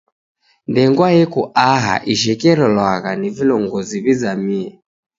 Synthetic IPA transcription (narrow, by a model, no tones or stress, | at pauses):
ndɛŋɡwajɛkuaɦa̰ʔiʃ̬ɛkɛɾɔlwaɣanivilɔŋɡɔziβizamiɛ